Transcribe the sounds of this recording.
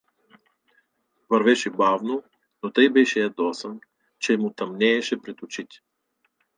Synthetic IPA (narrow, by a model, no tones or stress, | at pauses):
vɐɾvɛʃɛbavno | not̪ɤjbɛʃɛɐd̪ɔsən | t͡ʃɛmʊt̪ɐmnɛːʃɛpɾɛt̪ʊt͡ʃit̪ʲ